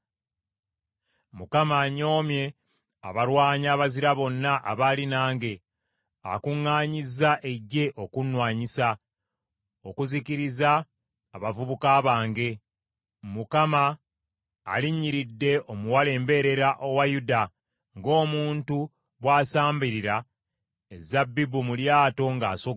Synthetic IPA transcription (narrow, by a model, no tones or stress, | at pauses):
mukamaːɲo̞ːmje̞ | a̰βaɾwaːɲaːβaziɾaβo̞nːaʔa̰βaːlinaːŋɡe̞ | a̰kuŋːaːɲizaʔe̞ɟːe̞ʔo̞kunwaːɲisa | o̞kuziciɾizaː | βavuβukaːβaːŋɡe̞ | mukama̰ː | liɲːiɾidːe̞ʔo̞muwale̞ːmbe̞ɾe̞ɾaʔowajuda | ŋɡo̞ːmuːntu | βwaːsaːmbiɾiɾa | ezabːibumuljaːto̞ŋɡaːso